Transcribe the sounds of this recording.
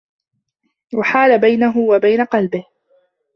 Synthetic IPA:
waħaːlabajnaɦʊwabajnaqɑlbɪh

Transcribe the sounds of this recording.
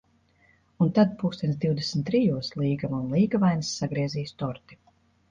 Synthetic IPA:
unt̪ad̪̚pukst̪ʲɛnsd̪iwd̪esn̩t̪ːɾijuɔslˠiːɡamunlˠiːɡavajnsːaɡɾiɛziːst̪ɔɾt̪i̥

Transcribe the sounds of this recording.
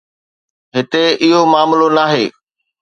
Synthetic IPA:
ɦɪt̪eɪɦomaːmlonaːɦeː

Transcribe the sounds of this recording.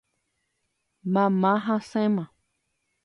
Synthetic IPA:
mãmãɦãsẽmã

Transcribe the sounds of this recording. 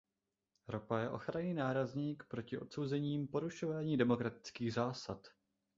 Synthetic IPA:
ɾopajɛʔo̞̰xɾaɲiːnaːɾazɲiːkpɾocɪʔo̞t̪so̞wzɛɲiːmpo̞ɾuʃo̞vaːɲiːdɛmo̞kɾat̪ɪ̥t͡skiːɣzaːsat̪

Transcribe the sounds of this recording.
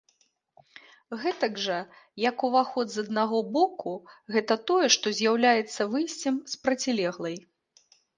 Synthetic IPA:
ɣɛt̪ɐɡʐɐ | jɐkuvaxɔd̪zɐd̪̚naɣɔbɔkuɣɛt̪ɐt̪ɔjɛʂt̪ɔzʲjawlʲajɛt̪sːɐvɨjsʲt͡sʲɛmspɾɐt͡sʲilʲɛɣlˠɐj

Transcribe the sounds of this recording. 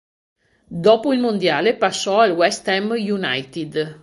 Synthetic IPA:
d̪ɔpuilmund̪jaːlepasɔalwɛst̪ɛmjunajt̪id̪

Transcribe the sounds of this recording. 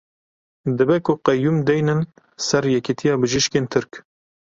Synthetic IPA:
d̪ɨbɛkʰʊqɛjːumd̪ɛjnɨn | sɛɾjɛkit̪ʰijɑːbɨʒiʃkeːnt̪ʰɨɾk

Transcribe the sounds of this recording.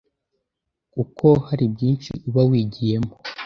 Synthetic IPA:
kukʰo̞haɾibɟiːnt͡ʃḭʔuβawiːɟije̞mo̥

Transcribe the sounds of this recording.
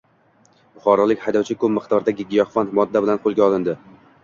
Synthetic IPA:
bʊχɒɾɒlˠɪkʲhajd̪ɒwt͡ʃʰɪkɵp̚mɨχt̪ʰɒɾd̪aɡʲɪɡʲɪjɒhfanmɒd̪ːabɪlanqʰolˠɡʲaɒlɪnd̪ɪ

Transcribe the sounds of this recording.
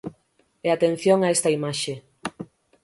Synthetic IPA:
eat̪en̟θjoŋaest̪aimaʃe

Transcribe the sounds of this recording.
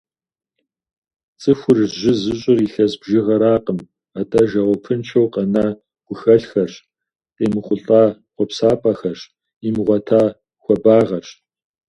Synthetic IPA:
t͡sʼɨxʷʊrʑɪzɨɕʼɪriːɬɐsbʒɪʁɐɾaːqəm | atʼɐʒɐʁʷɔpʰɨnt͡ʃʰɐwqɐnaː | ɡ̥ʷʊxɐɬxɐrɕ | qʼeːmɨχʷʊɬʼaː | qʷɔpsaːpʼɐxɐɕ | imʁʷɔtʰaː | xʷɔbaːʁɐɕ

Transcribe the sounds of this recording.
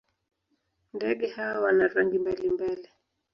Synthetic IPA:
ndɛɠɛhawawanaɾaŋɡimbalimbali

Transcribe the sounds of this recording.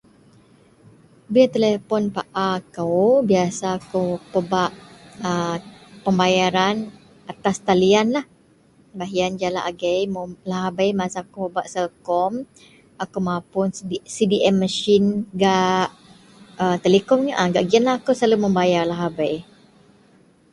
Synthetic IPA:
biat̪elefɔnpaʔakəwbiasaːkowpəbaʔəpəmbajaɾan | at̪ast̪alianlah | baɦiand͡ʒala̰ʔaɡəjmolaɦabajmasakopəbaʔsəlkɔm | akowmãpʊnsidiʔɛmːəʃinɡaʔʔ | ət̪əlekɔmɲaʔaɡaʔɡianlaːkowsaləməmbajarlaɦabaj

